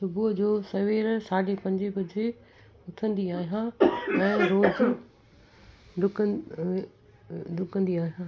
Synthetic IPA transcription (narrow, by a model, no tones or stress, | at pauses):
sʊbud͡ʑoːsɐʋeːɾsaːɽepɐ̃ɲd͡ʑɪbɐd͡ʑe | ʊt̪ʰə̃nd̪iaːɦijãɛ̃ːɾoːd͡ʑ | ɖʊk | ɖʊkə̃nd̪iaːɦijã